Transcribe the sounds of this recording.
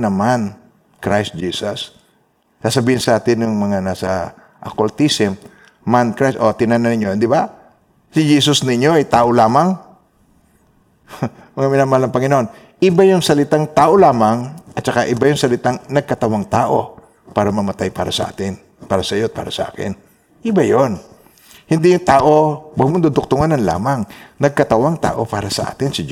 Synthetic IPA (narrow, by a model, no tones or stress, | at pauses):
nɐman | kɾajst̪̚d͡ʒiːsɐsː | asɐbiːhɪnsɐʔaːt̪ɪnjʊŋmɐŋanaːsɐ | ʔɐ̰kolt̪isɪm | mankɾajsʔot̪ɪnanɐnɪɲjod̪ɪba | sɪd͡ʒiːsosnɪɲjoʔɐjt̪aːʔolaːmaŋ | mɐŋamɪnamalɐŋpɐŋɪnohon | ʔɪbajʊŋsɐlɪt̪aŋt̪aːʔolaːmaŋʔɐt̪̚t͡ʃɐkaʔɪbajʊŋsɐlɪt̪aŋnɐɡ̚kɐt̪ɐwaŋt̪aːʔo̞ | paːɾɐmɐmɐt̪ajpa̰ːɾɐsɐʔa̰ːt̪ɪn | paːɾɐsɐjot̪̚pa̰ːɾɐsɐ̰ʔa̰ːkɪ̰n | ʔɪbajon | hɪnd̪ijʊŋt̪aːʔo̞wɐɡ̚mʊnd̪ʊd̪ʊk̚t̪ʊŋanɐnla̰ːmaŋnɐɡ̚kɐt̪ɐwaŋt̪a̰ːʔo̞̰paːɾɐsɐʔa̰ːt̪ɪnsɪd͡ʒ